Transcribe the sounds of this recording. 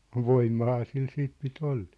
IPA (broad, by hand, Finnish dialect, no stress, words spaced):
ʋoimːɑhɑː sil siːt pit oll̥e̥ː